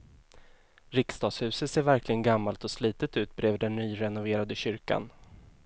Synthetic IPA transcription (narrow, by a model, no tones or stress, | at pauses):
ɾɪkst̪ɑːshʉ̟ːsət̪seːɾvæɾklɪɡənɡamːalt̪ɔsliːt̪ət̪ʉ̟ːt̪̚bɾeːvd̪ɛnːyːɾɛnʊveːɾad̪əɕʏɾka̰n